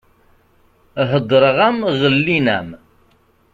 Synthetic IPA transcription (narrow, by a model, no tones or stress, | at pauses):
ɦəd̪ˤːɾˤʁæmʁəlːinæm